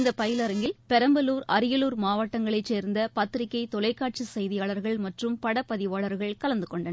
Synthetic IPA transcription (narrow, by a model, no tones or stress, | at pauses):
nd̪ɐpɐjɪlɐɾɯŋɡɪlpɛɾɐmbɐluːɾɐɾɪjɐluːɾmaːʋɐʈːɐŋɡɐɭɐɪt͡ʃːeːɾnd̪ɐpɐt̪ːɾɪkːɐɪt̪ɔlɐɪkːaːʈ̚t͡ʃisɛjðɪjaːɭɐɾɣɐɭmɐʈrɯmpɐɽɐpːɐðɪʋaːɭɐɾɣɐɭkɐlɐnd̪ɯkɔɳɖɐn